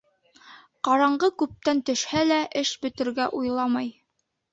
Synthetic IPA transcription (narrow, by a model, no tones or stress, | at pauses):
qɑɾɑɴɢɤkʉp̚t̪ænt̪ɵ̆ʃhælæʔɘʃbɵ̆t̪ɘ̆ɾɡæʔujlˠɑmɑj